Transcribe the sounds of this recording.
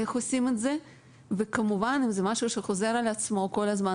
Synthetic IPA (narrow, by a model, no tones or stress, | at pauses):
eχosimetze̞ | vekamuvanimzemaʃuʃeχo̞ze̞ɾalat͡smo̞ko̞lazma